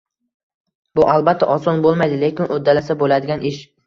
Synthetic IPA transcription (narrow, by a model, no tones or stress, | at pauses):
bʊʔalbat̪ʰːaʔɒsɒnbolˠmajd̪ɪlekʲɪnʔod̪ːalasabolad̪ɪɡʲanɪʃ